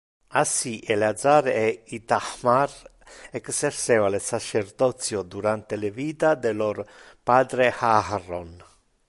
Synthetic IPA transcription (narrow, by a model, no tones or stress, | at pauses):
asiʔelead̪zaɾɛit̪ahmar | ɛkseɾseːvalesat͡ʃeɾd̪ɔt̪sjod̪uɾant̪eleviːt̪ad̪eloɾpad̪ɾehahron